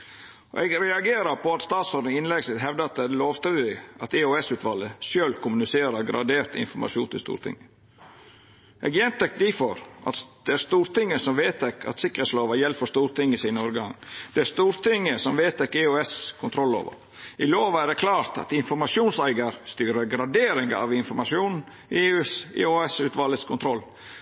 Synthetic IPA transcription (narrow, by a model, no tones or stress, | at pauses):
ɔ̰ʔɛɡɾɛɑɡeːɾəɾpʰɔɑt̪st̪ɑːt̪sɔɾɪŋɪnlɛɡsɪt̪ɦɛʋd̪ɑt̪ɛdloːʋst̪ɾid̪ɪɑt̪ɛoɛsʉːt̪ʋɑləʃøːlkʰʊmʉnɪseːɾəɾɡɾɑ̰d̪eːɾt̪ɪ̰nfɔɾmɑ̰ʃṵːnt̪ʰɪlst̪ṵːɾt̪ʰɪ̰ŋːə | ʔɛ̰ɡjɛnt̪ɛkd̪ifɔɾʔɑ̰t̪d̪̥ɛæɾst̪uːɾt̪ɪŋːəsɔmʋeːt̪ʰɛkːɑ̰t̪sɪkɾəɛt̪sloːʋəjɛlːfɔst̪uːɾt̪ɪŋːəɪsiːnəɔɾɡɑŋd̪̥ɛæɾst̪uːɾt̪ɪŋːəsɔmʋeːt̪ʰɛkːeøɛskʰʊnt̪ʰɾɔlːo̰ːʋə̰ | ʔɪloːʋæɾækʰlɑːɾt̪ɑ̰t̪ɪnfɔɾmɑʂuːnsæɪɡəɾst̪yːɾəɾɡɾɑd̪eːɾɪŋɡəɑ̰ʋɪnfɔɾmɑʂuːn | eːʉːsḛoɛsʉːt̪ʋɑləskʰʊnt̪ʰɾɔlː